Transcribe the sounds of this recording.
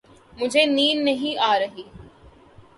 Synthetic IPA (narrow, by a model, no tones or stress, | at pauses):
mʊd͡ʒʱeniːnːɐɦĩʔaːɾɐɦiː